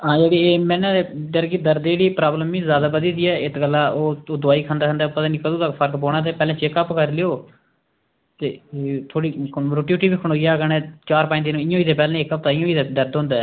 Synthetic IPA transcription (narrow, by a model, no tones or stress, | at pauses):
ɦãːd͡ʒeːɽiːeːmɛ̃ːnẽd̪əɾkid̪əɾd̪eɽiːpɾaːbləmĩzjaːd̪aːbəd̪iːd̪iːɛːɪt̪kəlːãːoːd̪ʊaːiːkʰə̃nd̪aːə̃nd̪aːpət̪ãːniːkəd̪õːt̪əkpʰəɾkpoːɽ̃aːt̪̬eːpɛːlẽːt͡ʃeːkəpkəɾlɪjoː | t̪eːt̪ʰoːɽiːɾoːʈiuːʈiːbiːkʰːɳoːɡɪjaːɡənɛ̃ːt͡ʃaːɾpãɪ̃niːnːɪjõːiːt̪eːpɛːlɛ̃ːekːəp̚t̪ãːɪjõːiːt̪ːd̪əɾd̪ɦõnd̪aː